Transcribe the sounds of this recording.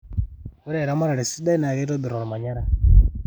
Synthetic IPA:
u˦ɾɛ˨ɾa˦ma˦ɾa˨ɾi˨si˦da˦i˦na˨ɣɛ˦ɾɔ˦bi˨ɾɔ˨ɾɔ˨ma˨ɲa˦ɾa˦

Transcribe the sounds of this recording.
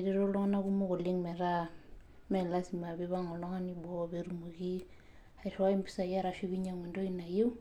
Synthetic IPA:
ɾe˦ɾo˦lɔ˦na˦ku˦mo˦ko˨le˦ŋmɛ˨ɾa˦ | mɛ˨la˦si˨ma˨βeβa˦ŋɔ˨lɔ˦ŋa˦ni˦bɔ˦βeɾu˨muki˦ | a˨i˨ra˦i˦mbi˦sa˨ja˦ɾa˨ʃi˦βi˦ɲa˨ŋwe˨ndo˦ina˨je˦

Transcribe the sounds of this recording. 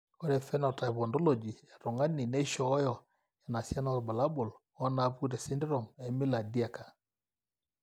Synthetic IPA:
ɔ˦ɾɛ˨fɛ˦nɔ˨ta˨βɔ˨ndɔ˦lo˨d͡ʒi˨ɛ˨to˨ŋa˦ni˨ne˦ʃɔ˨˦jɔ˨ | a˨na˨sa˦nɔ˦tba˨la˦bʊ˨l | ɔ˦na˨˦pu˦ɾɛ˨sɪ˦ndɪ˦ɾɔ˨mɛ˨mɪ˦la˨di˦a˨ka˨

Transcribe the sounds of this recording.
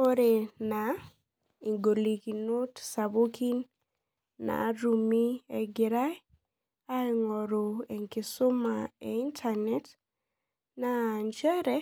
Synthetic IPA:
o˦ɾe˨na˨ | i˨ŋɡo˨li˨ki˨no˦tsa˨bo˦kʰi˦nː | a̰˨ɾu˨mi˦e˨ɡɪ˨ɾa˦j | a˦ɛ˨ŋɔ˨ɾo˨e˨ŋkɪ˨sʊ˦ma˨e˨i˦ntʰa˨nɛ˦t | na˨nt͡ʃɛ˦ɾɛ˦

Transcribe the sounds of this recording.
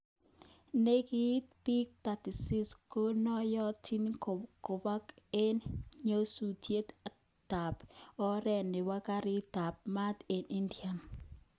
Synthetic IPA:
ne˦kɪ˦t̪pi˦k̚t̪a˨ti˨sɪ˦sko˦nɔ˦jɔ˦tʰi˦nko˨ba˦ke˦nɲo˦su˨tʰje˦t̪a | ta˨pɔ˦ɾɛ˦˨nɪ˨wa˦ka˦ɾɪ˦ta˨p̚ma˦t̪e˨ni˦ndja˨n

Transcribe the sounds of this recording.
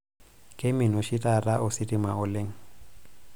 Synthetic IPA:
kʼe˦mɪ˨nʊ˨ʃi˦tʼa˨ra˦ʔʊ˦sɪ˦tʼɪ˦ma˨ʊ˦le˦ŋ̩˦˨

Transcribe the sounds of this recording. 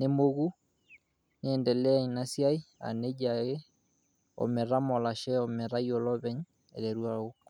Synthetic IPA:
ne˦mo˦ɣu˦ | ne˦ɛ˨ndɛ˨lɛ˦a˨ɲ˨na˦sja˦i˦a̰˨ne˦ɟa˨ɣe˦ | ɔ̰mɛ˨ɾa˦mɔ˨la˨ʃɛ˦ɔ˨mɛ˨ɾa˦iɔ˨lɔ˦βɛ˦ɲ | ɛ˨ɾɛ˨ɾu˦a˦o˦kɔ̥

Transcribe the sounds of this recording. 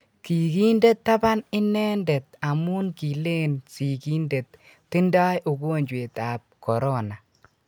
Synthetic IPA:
ki˨ki˦nde˦tːa˦ba˦nɪ˦nɛ˦nde˨t̪a˨mu˦nki˨le˦nsi˨ki˦nde˨t̪ː | ɪ˦nda˦jʔʊ˨ɡo˦˨nd͡ʒwe˨ta˨p̚kɔ˨ɾɔ˦na˨

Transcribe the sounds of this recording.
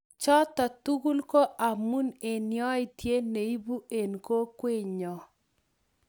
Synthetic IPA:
t͡ʃɔ˦tɔ˨tu˦ɡu˦lko˦ʔa˨mu˦ne˨njɔ˦ɪ˨tje˦ne˨i˦bu˦e˨nko˦kwe˦ɲɔ˨

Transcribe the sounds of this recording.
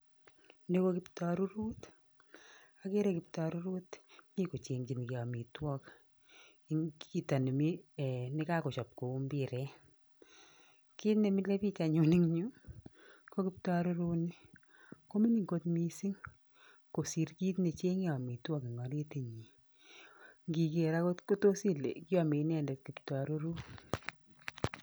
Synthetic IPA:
ne˦ko˦kɪptɔɾu˦ɾu˦t | a˦ke˦ɾe˦kɪ˨p̚ta˨ɾu˦ɾu˦tmi˦ko˨t͡ʃe˨ŋt͡ʃi˨ni˨ke˨a˨mi˨twɔ˦k | ŋi˨ta˨ni˨mi˦˨nɪ˦ka˦ko˨t͡ʃɔ˨p̚ko˨u˦mbi˨ɾɛ˦ | ki˦tne˨mi˦le˦pi˦t͡ʃa˨ɲu˨ni˦ŋɲu˦ | ko˦ki˦p̚ta˦ɾo˦ɾu˦nɪ˦ | ko˦mi˦ni˨ŋɡo˦tmi˦si˦ŋ | ko˨si˨ɾki˦tne˨t͡ʃe˦ŋe˦ɔ˨mi˨twɔ˦ki˨ŋɔ˨ɾe˦te˨ɲi˨ | ŋɡi˨ke˨ɾa˦ko˦tko˦to˦si˦lḛ˨kɪ˦ɔ˨mi˨˦nɛ˦ndɛ˨t̚ki˨p̚ta˨ɾu˦ɾu˦

